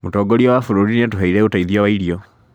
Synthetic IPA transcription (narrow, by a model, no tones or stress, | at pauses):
mutɔɡoɾiɔwafuɾuɾiniatuɦaiɾeutaiðijawaiɾiɔ